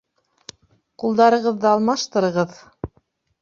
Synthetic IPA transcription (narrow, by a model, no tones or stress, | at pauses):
qulˠd̪ɑɾɤ̆ʁɤ̆ðːɤɑlˠmɑʃt̪ɤ̆ɾɤ̆ʁɤð